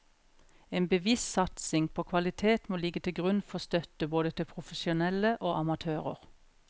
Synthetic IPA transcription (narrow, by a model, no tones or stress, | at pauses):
eːnbəʋissɑt̪sɪŋpʰoːkʰʋɑlɪt̪ʰeːt̪moːlɪɡət̪ʰɪlɡʁʉnfɔst̪œt̪əboːd̪ət̪ʰɪlpʰʁʊfəʃʊnɛləʔoːʔɑmɑt̪ʰøːʁə̰ʁ